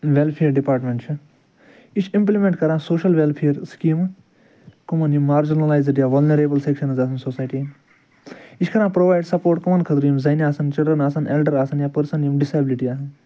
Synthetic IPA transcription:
ʋelpʰeəɾɖipaːɾʈmẽɳʈt͡ʃʰu | it͡ʃʰĩmplimẽɳʈkɐɾãːsoːʃɐlʋelpʰeəɾskiːm | kumɐnjumːaːɾd͡ʒinɐlaːjzeɖjaːʋɐlnɐɾeːbɐlsekʃɐnzaːsɐnsoːsaːjʈi | it͡ʃkʰɐɾãːpɾoːʋaːjɖsɐpoːɾʈkɐmɐnkʰɐt̪ɾjumzɐjniaːsɐnt͡ʃilɖɾənaːsɐnelɖəɾaːsɐnjaːpɐɾsɐnjumɖɪsabɪliʈiaːsɐn

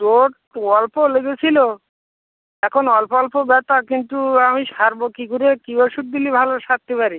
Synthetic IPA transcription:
ɾoʈ | ɔlpoleɡet͡ɕʰilo | ɛkʰonɔlpɔlpobɛt̪akint̪uamiʃaɾbokiɡuɾekibɔʃut̚d̪ilibʱaloʃat̪ːipaɾi

